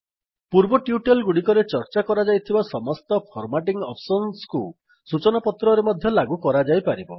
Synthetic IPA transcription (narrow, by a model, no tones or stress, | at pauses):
puɾbɔʈjuʈelɡuɽikɔɾet͡ʃɔɾt͡ʃakɔɾad͡ʒajt̪ʰibasɔmɔst̪ɔpʰɔɾmaʈiŋɡɔpʰsɔnsku | sut͡ʃɔnapɔt̪ɾɔɾemɔd̪ʱjɔlaɡukɔɾad͡ʒajpaɾibɔ